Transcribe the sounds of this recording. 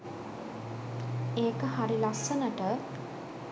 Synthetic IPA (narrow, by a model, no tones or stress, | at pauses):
eːkəhaɾilasːənəʈə